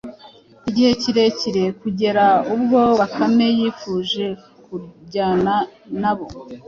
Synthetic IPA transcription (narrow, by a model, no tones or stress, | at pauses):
iɟihe̞ciɾe̞ciɾe̞kuɟe̞ɾaub̚ɡo̞βakame̞jiːfuːʒe̞ | kuɟaːnanaβo̞